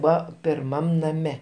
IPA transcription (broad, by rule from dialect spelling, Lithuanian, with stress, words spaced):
ˈbʊɐ pʲɪrˈmɐm nɐˈmʲɛ